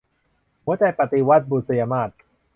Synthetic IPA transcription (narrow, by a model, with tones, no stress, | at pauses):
mu˨˦˥t͡ɕa˧˩jpa˨t̪i˧wa˦˥t̪̚buː˨t̪̚sa˧jaː˧maː˥˩t̪̚